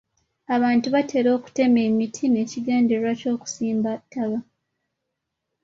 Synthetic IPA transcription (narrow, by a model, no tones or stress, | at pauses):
aβaːntuβatʰe̞ːɾo̞ːku̥te̞me̞ːmitʰine̞ːciɡeːndeɾwaco̞ːku̥siːmbatːaβa